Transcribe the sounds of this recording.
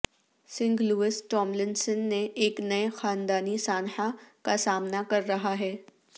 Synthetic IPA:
sɪ̃ŋɡluːɪsʈɔːmlɪnsənːeʔeːknɐexaːnd̪aːnisaːnħakasaːmnakɐɾːɐɦaɦɛː

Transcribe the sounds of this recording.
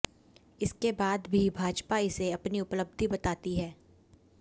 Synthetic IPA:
ɪskebaːd̪bʱibʱaːd͡ʒpaɪseɐpniʊpləb̚d̪ʱibɐt̪aːt̪iɦɛː

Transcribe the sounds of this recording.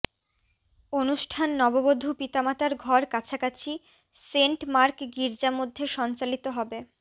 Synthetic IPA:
onuʃʈʰanːɔbobod̪ʱːupit̪amat̪aɾɡʱɔɾkat͡ɕʰakat͡ɕʰi | seɳʈmaɾkɡiɾd͡ʑamod̪ʱːeʃɔnt͡ɕalit̪oɦɔbe

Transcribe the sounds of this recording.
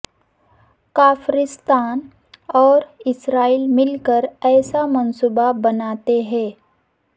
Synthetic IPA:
kaːfʰɾɪst̪aːn | ɔːɾɪsɾaːiːlmɪlkəɾɛːsamɐnsuːbabɐnaːt̪eɦɛ̃ː

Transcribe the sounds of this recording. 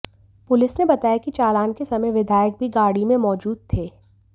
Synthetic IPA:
pʊlɪsnebɐt̪aːjakit͡ʃaːlaːnkesɐməjʋɪd̪ʱaːjək̚bʱiɡaːɽimẽmɔːd͡ʒuːd̪̚t̪ʰeː

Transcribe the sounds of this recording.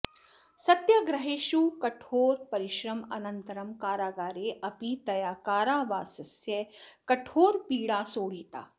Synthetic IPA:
sɐt̪jɐɡɾɐɦeːʃukɐʈʰoːɾpɐɾiʃɾɐmɐ̰nɐnt̪ɐɾɐmkaːɾaːɡaːɾeːʔɐpit̪ɐjaːkaːɾaːʋaːsɐsjɐkɐʈʰoːɾpiːɽaːsoːɽ̤iːt̪a̰ː

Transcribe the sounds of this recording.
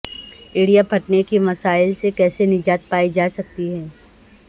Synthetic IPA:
ɪːɽijapʰɐʈnekimɐsaːɪlsekɛːsenɪd͡ʒaːt̪̚paːid͡ʒaːsɐk̚t̪iɦɛː

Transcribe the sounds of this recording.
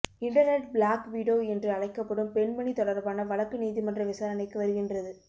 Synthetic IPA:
ɪɳʈɐɾnɛʈbɭaːkʋiːɽjoːɛndrɯɐɭɐɪkːɐpːɐɽɯmpɛɳmɐɳit̪ɔɽɐɾbaːnɐʋɐɭɐkːɯniːðimɐndrɐʋɪsaːɾɐnɐɪkːɯʋɐɾɯɣɪndrɐðɯ

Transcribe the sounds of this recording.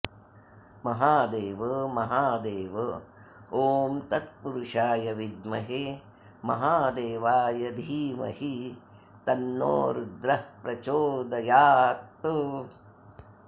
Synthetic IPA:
mɐɦaːd̪eːʋɐmɐɦaːd̪eːʋɐ | oːmt̪ɐt̪̚puɾuʂaːjɐʋid̪mɐɦeː | mɐ̰ɦaːd̪eːʋaːjɐd̪ʱiːmɐ̰hi | t̪ɐnːo̰ːɾud̪ɾɐpɾɐt͡ʃoːd̪ɐjaːt̪ːu

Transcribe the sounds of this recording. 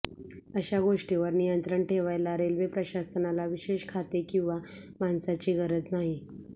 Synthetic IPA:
əɕaɡoʂʈiʋəɾnijənt̪ɾəɳʈʰeʋajlaɾelʋepɾəɕasənalaʋiɕeɕkʰat̪ekĩw̃ʋamansat͡ɕiːɡəɾəd͡znaɦi

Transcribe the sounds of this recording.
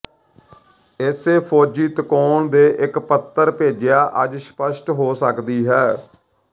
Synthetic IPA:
ɪseːpʰoːd͡ʒiːt̪əkoːɳd̪eːʔɪkpət̪ːəɾpeːd͡ʒɪjaːʔəd͡ʒspəʃʈɦoːsəkd̪iːɦɛː

